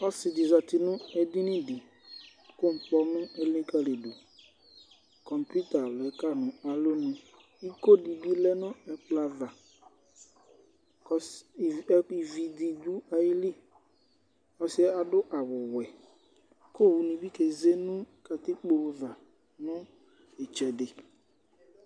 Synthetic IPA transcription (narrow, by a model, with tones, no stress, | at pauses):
ɔ˦sɪ˨dɪ˨za˨tɪ˨nʊ̃˦ɛ˨dɪ˦nɪ̃˦dɪ˨ | kʊ˦˨m̩˨pɔ˦nʊ̃˦ɛ˦lĩ˦ka˦le˨du˨ | kɔ˨mpu˦ta˨lɛ˨˦ka˦nʊ̃˨a˨lo˦nɪ̃˨ | i˦ko˦di˨bi˦lɛ˦nʊ̃˦ɛ˨k͡pla˦va˨ | kɔ˦˨˦ | i˨vi˨d̪i˨d̪u˦a˨jɪ˦li˦ | ɔ˨sɪ˦ɛ˦a˨dʊ˦ʔa˨wʊ˨wɛ˨ | ko˦˨wu˨nĩ˨bi˦ke˨ze˦nʊ̃˦ka˨t̪ɪ˦k͡po˨˦va˨ | nʊ̃˦ | e˨t͡ʃɛ˨dɪ˨